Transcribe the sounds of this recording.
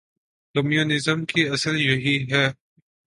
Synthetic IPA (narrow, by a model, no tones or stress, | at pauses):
komjuːnɪzəmkiɐsəljoɦiɦɛː